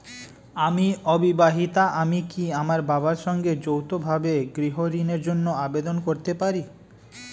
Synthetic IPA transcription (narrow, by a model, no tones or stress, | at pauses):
amiɔbibaɦit̪aʔamikiamaɾbabaɾʃɔŋɡed͡ʑowt̪obʱabeɡɾiɦoɾineɾd͡ʑonːoabed̪onkoɾt̪epaɾi